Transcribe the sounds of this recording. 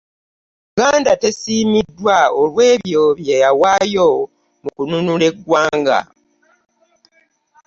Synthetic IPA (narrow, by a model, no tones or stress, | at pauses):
ɡaːndate̞siːmidːwaolwe̞ːβjo̞βjejawaːjo̞ | mukununule̞ɡwaːŋɡa̰